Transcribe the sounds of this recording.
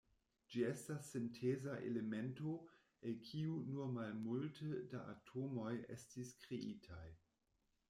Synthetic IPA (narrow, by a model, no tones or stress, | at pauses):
d͡ʒie̞stasːentʰezaʔḛlemento̞ | enkʰiunumalmultədaʔa̰tʰomo̞jḛstiskɾeʔitʰaj